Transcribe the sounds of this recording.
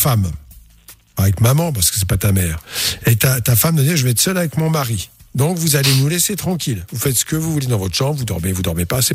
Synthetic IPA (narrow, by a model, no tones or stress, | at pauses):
fam | avɛkmamɑ̃p̬aʁsə̥kə̥s̬ɛpat̪amɛːʁet̪at̪afamd̪əd̪ɛʒəvɛɛt̪sœlavɛkmɔ̃maʁid̪ɔ̃kvuzalenulɛset̪χɑ̃kʲilvufɛt̪sə̥kəvuvuled̪ɑ̃vɔt̪χə̥ʃɑ̃bvud̪ɔʁmevud̪ɔʁmepasɛ